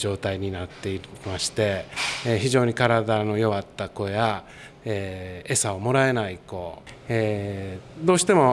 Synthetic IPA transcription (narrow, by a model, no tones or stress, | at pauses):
d͡ʑo̞ːt̪aiɲ̟inat̪ːe̞imaɕi̥t̪e̞çiʑo̞ːɲ̟ikaɾad̪ano̞jo̞βat̪ːako̞eja | eːe̞saomo̞ɾae̞naiko̞e | d̪o̞ːɕi̥t̪e̞mo̞